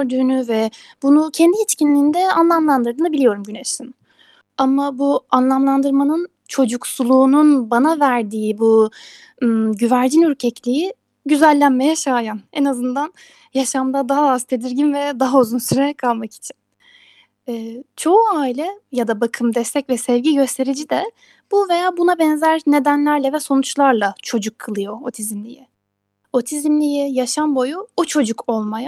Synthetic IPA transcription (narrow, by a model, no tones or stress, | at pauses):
ɾd̪ynyvɛbunucʰɛnd̪iit͡ʃcinlʲiːnd̪ɛanlˠamlˠand̪ɯɾd̪ɯːnɯbilʲijo̞ɾumɟyneʃin | amabuanlˠamlˠand̪ɯɾmanɯn | t͡ʃʰo̞d͡ʒuksulˠuːnunbanavæɾd̪iːibu | ɟyvæɾd͡ʒinyɾcʰɛclʲiji | ɟyzælʲːænme̞jɛʃaːjanɛnazɯnd̪an | jaʃamd̪ad̪aɦaazt̪ʰe̞d̪iɾɟinvɛd̪aɦauzunsyɾeɛkʰalˠmaki̥t͡ʃʰi̥n | ɛːt͡ʃʰo̞uaːilʲɛjad̪abakʰɯmd̪ɛst̪ʰɛcvɛsɛvɟiɟø̞st̪ʰe̞ɾid͡ʒid̪ɛ | b̥uve̞jaːbunabɛnzæɾne̞d̪ænlʲæɾlʲɛvɛso̞nut͡ʃlˠaɾlˠat͡ʃʰo̞d͡ʒukʰːɯlˠɯjo̞ot̪ʰizimlʲiji | ot̪ʰizimlʲijijaʃambo̞juut͡ʃʰo̞d͡ʒukʰo̞lˠmaja